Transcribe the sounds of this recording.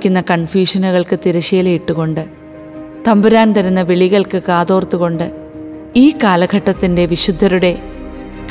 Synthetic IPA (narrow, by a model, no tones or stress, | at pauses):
kʲːunːɐkɐɳfjuːʂɐnuɣɐɭkɨt̪iɾɐɕeːlejiʈːuɣo̞ɳɖɨ | t̪ɐmbuɾaːnt̪ɐɾunːɐʋeɭiɣɐɭkɨkaːðo̞ːrt̪ːuɣo̞ɳɖɨ | iːkaːlɐɡʱɐʈːɐt̪ːinde̞ʋiɕud̪ʱːɐɾuɽe̞ | k